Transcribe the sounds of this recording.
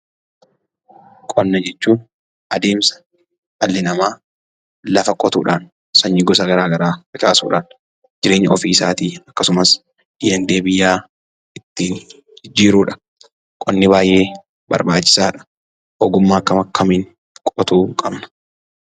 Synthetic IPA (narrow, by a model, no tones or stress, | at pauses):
kʼɔnːɐd͡ʒɛt͡ʃːuːn | ʔɐd̪e̞ːmsɐ̥ | ɐlːɪnɐmaː | lɐfɐkʼɔt̪ṵːᶑaːn | sɐɲːɪɡɔs̬ɐɡɐɾaːɡɐɾaːfɪt͡ʃʼaːsṵːᶑa̰ːn | d͡ʒɪɾe̞ːɲːɐɔfiːɪsa̰ːt̪iːɐkːɐsʊmɐs | ɪjɛnd̪eːbɪjːaː | ɪt̪ːiːn | d͡ʒɪd͡ʒːiːɾuːᶑɐ̥ | kʼɔnːɪbaːjʔe̞ː | bɐ̰ɾbaːt͡ʃːɪ̥saːᶑɐ̥ | ʔɔɡʊmːaːkːɐmɐkʰːɐmiːnŋ | kʼɔt̪uːkʼɐbnɐ̥